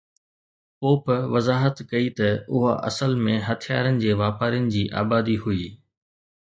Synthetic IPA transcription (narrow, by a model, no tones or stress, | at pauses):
poːpʋɐzaːɦət̪kɐit̪ɐʊɦa̰ʔɐ̰səlmẽɦɐt̪ʰija̰ːɾənɪ̆d͡ʑeːʋaːpaːɾijənɪ̆d͡ʑiːʔa̰ːbaːd̪iɦuiː